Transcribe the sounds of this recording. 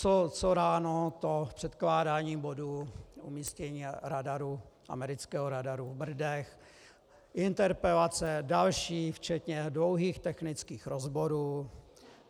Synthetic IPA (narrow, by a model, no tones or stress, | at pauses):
t͡sot͡soɾaːnot̪opr̝̥ɛt̪klaːdaːɲiːbo̞duumiːscɛɲiːɾadaɾuʔa̰mɛɾɪt͡skɛːɦoɾadaɾuvbr̩dɛx | ʔɪnt̪ɛɾpɾɛlat͡sɛdalʃiːft͡ʃɛt̪ɲɛdlo̞wɦiːxt̪ɛxnɪt͡skiːxɾozbo̞ɾuː